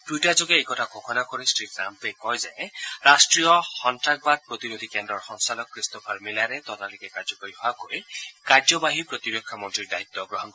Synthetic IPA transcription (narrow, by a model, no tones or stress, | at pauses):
tutad͡ʒoɡeekɔtʰakʰokʰɔnakɔɾisʈɾikɾampekɔjzajeɾasʈɾijɔxɔnʈɾak̚bad̪̚pɾɔt̪inod̪ʱikendɾɔɾxɔŋsalɔkːɾistɔpʰaɾmilaɾet̪ɔt̪alikekaɾd͡ʒɔpaɾiɦɔakɔikaɾd͡ʒɔbaɦipɾɔt̪ibekʰːamɔnt̪ɾiɾd̪ait̪ːɔɡɾɔɦɔnkɔ